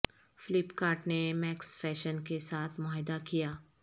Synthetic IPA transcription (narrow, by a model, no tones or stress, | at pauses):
fɪlɪpkaːɾʈnemɛːksfɛːʃənkesaːt̪ʰmɔːɦd̪akijaː